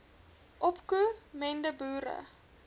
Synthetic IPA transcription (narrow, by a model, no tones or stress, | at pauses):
ʔɔpkumɛndəbuːɾə̰